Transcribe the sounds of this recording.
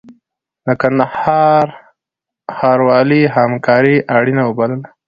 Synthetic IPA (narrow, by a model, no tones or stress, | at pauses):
nakanahɑɾ | xɑɾwɑliɦamkʰɑɾiʔaɽinawəbaləla